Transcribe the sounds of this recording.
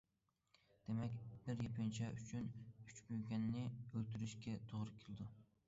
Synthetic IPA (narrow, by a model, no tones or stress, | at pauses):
d̪̥emɛkʲbɪɾjepʰɪnt͡ʃʰɛyt͡ʃʰynyt͡ʃbyjɡʲɛnːɪølt̪ʰyɾyʃkʲɛt̪ʰoʁɾɨkʲʰelˠɪd̪u